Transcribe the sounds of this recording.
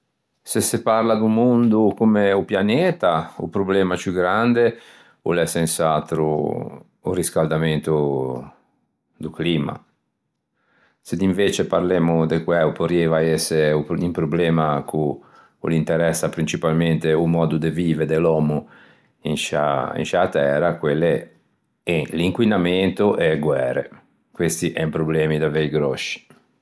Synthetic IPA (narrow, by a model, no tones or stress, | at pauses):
sesepaɾlad̪umund̪ukumeupjanɛːt̪aṵpɾoblɛːmat͡ʃjuɡɾand̪e | ṵlɛsensat̪ɾṵː | riskald̪ament̪u | d̪ukliːma̰ | sed̪iɱveːt͡ʃepaɾleːmud̪ekwɛupoɾjɛvaɛseuimpɾoblɛːmakʰu | ṵlint̪eɾɛsːapɾint͡ʃipalment̪eumɔːd̪ud̪eviːveɾd̪elɔːmu | inʃa̰ḭnʃat̪ɛːɾakwelːe | eliŋkwinament̪oʔɛɡwɛːɾḛ | kwest̪iʔɛmpɾoblɛːmid̪aveiɡɾɔʃi̥